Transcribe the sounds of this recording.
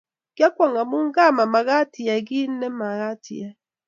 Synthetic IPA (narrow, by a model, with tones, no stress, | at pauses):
ɡ̥ja˦kʷa˨ŋa˨mu˦ŋ̩˦ɡa˦˨ma˨ma˨ɣa˦ti˨ja˨ɡi˦n̩˦nɛ˦ma˨ɣa˦tḭ˨ja˦